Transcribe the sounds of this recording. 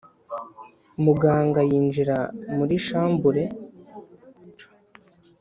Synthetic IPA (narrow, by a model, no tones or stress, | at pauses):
muɡaːŋɡajiːnd͡ʒiɾamuɾiʃaːmbuɾe̞